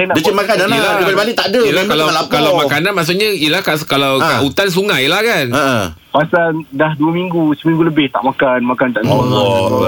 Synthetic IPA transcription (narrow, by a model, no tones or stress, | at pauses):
sajnadaimakanaəlabalibalɪʔt̪aʔdəəlkalalapkalawmãkananmaʔs̬uʔɲaijəlahkaskalawkaʔut̪ans̬uŋãjlahkanəʔə̃ | pasandahduəmĩŋɡusəumiŋɡuləbɪht̪a̰ʔmakanmakant̪aʔlɔ